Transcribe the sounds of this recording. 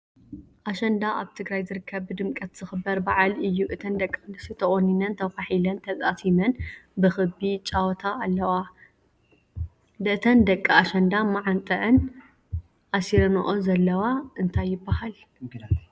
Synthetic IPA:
ʔaʃɐnd̪aʔaβt̪ʰɨɡɾajzɨɾɨkʰːɐβːɨd̪ɨmkʼɐt̪z̥ɨxɨbːɐɾbaʕalɨjːuʔɨt̪ʰɐnd̪ɐkʼːanɨsut̪ʰɐχʼonːinɐnt̪ʰɐwfaħilɐnt̪ʰɐzʼasʰimɐnbɨxɨbit͡ʃʼawɔt̪ʰaʔːlːɐwa | d̪ɨɨt̪ʰɐnd̪ɐkʼːɐaʃɐnd̪amaʕant̪ʼɐʔɐn | ʔasiɾɐnoʔozɐlːɐwaʔɨnt̪ʰajːɪbːahal

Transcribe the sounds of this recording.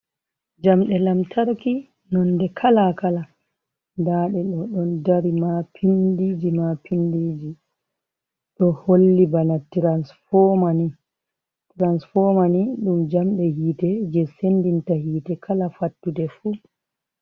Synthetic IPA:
d͡ʒamɗɛlamtʰaɾki | nɔndɛkʰalakala | daːɗɛɗɔɗɔndaɾimapʰindid͡ʒimapindid͡ʒi | ɗɔholːibanatiɾansfɔmani | tɾansfɔmaniɗumd͡ʒamɗɛhiːtɛd͡ʒɛsendintahiːtɛkʰalafatːudɛfu

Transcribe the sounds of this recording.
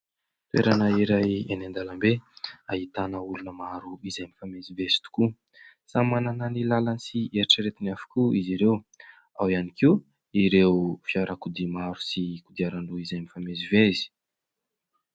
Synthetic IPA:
t̪wḛɾanəiɾajenand̪alambeaɦit̪anəulunəmaɾuizajmifamezivezi̥t̪u̥ku | samanananilalanisieɾiʈ͡ʂəɾet̪inafḁkʲuiziɾew | awianikiw | iɾewfiaɾakud̪imaɾu̥sikud̪iaɾaɳɖ͡ʐuizajmifamezivezi̥

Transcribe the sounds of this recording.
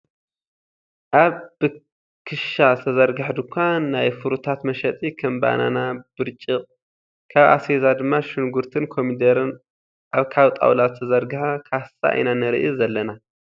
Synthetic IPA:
ʔaβb̥ɨ | kʰɨʃat̪ʰɐzɐɾɡaħd̪ukʷʰːannːajfɨɾut̪ʰat̪mɐʃɐt̪ʼikʰɐmba̰na̰nab̥ɨɾt͡ʃʼɨqʼ | kʰaβʔa̰sezad̪ɨmːaʃɪnɡuɾt̪ʰɨnkʰo̞mid̪ɐɾɨn | ʔaβkʰaβt̪ʼa̰wlat̪t̪ʰɐzɐɾɡɨħakʰasa̰ʔa̰jnanɨɾɨʔizɐlːɐna

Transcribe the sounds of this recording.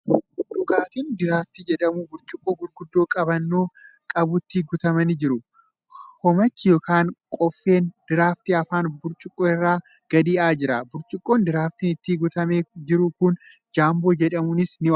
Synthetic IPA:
d̪ʊɡaːt̪iːnd̪ɪɾaːft̪id͡ʒɛᶑɐmʊbʊɾt͡ʃʼʊkʼːoːɡʊɾɡʊd̪ːo̞ːkʼɐbɐnːoː | kʼɐbʊt̪ːiɡʊt̪ɐmɐnɪd͡ʒɪɾʊ | hɔmɐt͡ʃːɪjoːkaːŋkʼɔfːe̞ːnd̪̥ɪɾaːft̪iɐfaːnbʊɾt͡ʃʼʊkʼːoːɪrːaː | ɡ̥ɐd̪iːʔaːd͡ʒɪɾɐbʊɾt͡ʃʼʊkʼːoːnd̪ɪɾaːft̪iːnɪt̪ːiɡʊt̪ɐmeːd͡ʒɪɾʊkʊn | d͡ʒaːmbo̞ːd͡ʒɛᶑɐmʊnɪsnɪ

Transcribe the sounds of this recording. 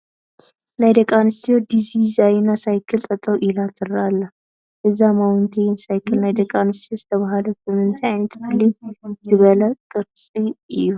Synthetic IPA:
najd̪əkʼanɨst̪ʰijod̪izizajnasajkʰɨlt̪ʼɐt̪ʼəwʔilat̪ʰɨɾalːɐ | ʔɨzːamawɨnt̪ʰejnsajkʰɨlnajd̪əkʼanɨst̪ʰijozɨt̪ʰəβaɦaləsɨmɨnt̪ʰiajnɐt̪ʰɡɨlizɨβəlɐk̪ʼɨɾt͡sʼiɨjːu

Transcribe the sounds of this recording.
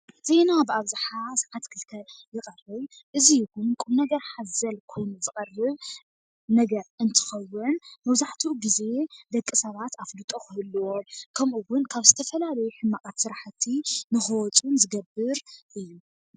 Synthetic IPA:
z̥e̞nabɨaβzɨħasʕat̪kʰɨlkʰɐjɨqʼɐrɐl | ʔɨzijɪkunkʼumnɐɡɐɾħazɐlkʰo̞jnzɨkʼɐrːɨβ | nɐɡɐɾɨnt̪ʰɨ̥xɐwːʊnmɐβzaħt̪ʰiɡize̞d̪ɐkʼːɨsɐβat̪afdut̪ʼoxɨhɨlːɨwokʰɐmʔuwʊnkʰaβzɨt̪ʰɐfɐlalɐjuħɨmːaχʼat̪sɨɾaħt̪ʰːinɨxɐwɔt͡sʼunzɨɡɐbɨɾʔɨjːu

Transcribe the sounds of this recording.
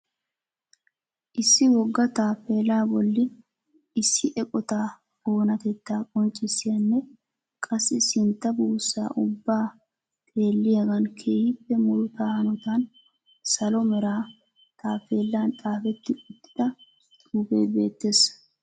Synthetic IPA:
ʔɪsːɪwɔɡːɐt̪aːfe̞ːlaːbɔlːɪ | ɪsːɪʔɛkʼɔt̪aː | o̞ːnɐt̪ɛt̪ːaːkʼɔnt͡ʃʼːɪsːɪjɐnːɛ | kʼɐsːɪsɪnt̪ːɐbuːsːa̰ːʔʊbːaː | t̪ʰʼe̞ːlːɪjɐɡɐnkʰeːhɪpːɛmʊɾʊt̪aːhɐnɔt̪an | sɐlɔmɛɾaː | t̪ʰʼaːfe̞ːlːaːnt̪ʼaːfɛt̪ːɪʊt̪ʼːɪ̥d̪ɐ | t̪uːpḛːbe̞̰ːt̪ːe̞ːs

